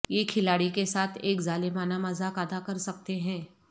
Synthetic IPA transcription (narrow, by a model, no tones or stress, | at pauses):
jekʰɪlaːɽikesaːt̪ʰeːkzaːlemaːnamɐzakaːd̪akɐɾsɐk̚t̪eɦɛ̃ː